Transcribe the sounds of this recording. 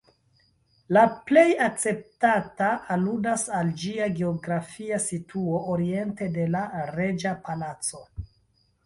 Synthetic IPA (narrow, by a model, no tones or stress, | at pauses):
laple̞jak̚t͡se̞p̚tataːludasald͡ʒiaɡe̞oɡɾafiasitʰuo̞ʔoɾie̞nte̞de̞laɾe̞d͡ʒapalat͡so̞